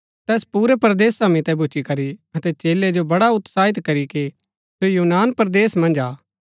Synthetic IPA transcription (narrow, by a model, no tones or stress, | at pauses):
t̪ɛːspuːɾɛpɐɾd̪eːsːamĩt̪ɛbʊt͡ʃikɐɾiɐt̪ɛt͡ʃeːled͡ʒobɐɽaʊt̪saːɪt̪kɐɾiki | sjojuːnaːnpɾd̪eːsmɐ̃nd͡ʒaː